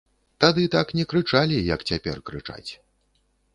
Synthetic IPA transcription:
t̪ad̪ɨt̪aknʲɛkɾɨt͡ʂalʲijɐkt͡sʲapʲɛ̰rkɾɨt͡ʂa̰t͡sʲ

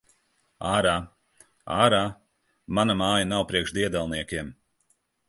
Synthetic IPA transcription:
aːɾaː | aːɾaː | manɐmaːjɐnawpɾiɛkʃd̪iɛd̪alˠniɛkʲiɛm

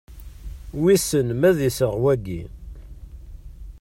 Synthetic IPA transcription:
wisənmæðisəʁwæɡḭ

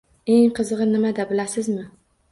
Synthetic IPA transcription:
eŋqʰɨzɨʁɨnɪmad̪abɪlasɪzmɪ

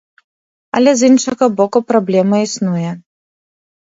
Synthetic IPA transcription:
ɐ̰lʲɛzinʂɐɣɐbɔkupɾablʲɛmɐisnujɛ

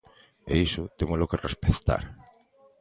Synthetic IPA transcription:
ḛisʊt̪emʊlʊkerespeθt̪a̰ɾ

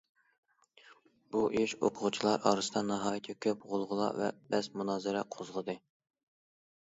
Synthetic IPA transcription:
b̥uʔiʃo̰qʰʊʁut͡ʃʰilˠɑɾʔɑ̰ːɾɨsɨd̪ɑnɑɦɑːjit̪ʰɛkʲʰøpʁolˠʁʊlˠɑ̰vɛ̰bɛzmunɑːzɨɾɛqʰozʁəd̪ɨ

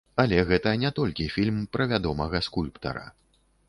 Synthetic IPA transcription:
alʲɛɣɛt̪ɐnʲɛt̪ɔlʲkʲifʲilʲmpɾɐvʲad̪ɔmɐɣɐskulʲpt̪ɐ̰ɾɐ̰

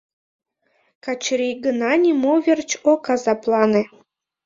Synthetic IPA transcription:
kɑt͡ɕɾʲijɡənɑnʲimoβʲert͡ɕokɑzɑplˠɑne

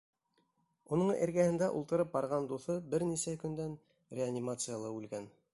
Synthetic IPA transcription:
unɤɴḛɾɡæhɘ̆nd̪æʔṵlˠt̪ɤ̆ɾɤp̚bɑɾʁɑnd̪uθɤbɘɾnisækɵ̆nd̪æn | rʲeanʲimat̪sɨjalˠɤʉlɡæn

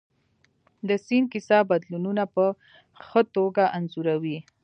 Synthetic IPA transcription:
d̪əsinkɪsɑbad̪lununapə | xət̪oɡaʔanzuɾawi

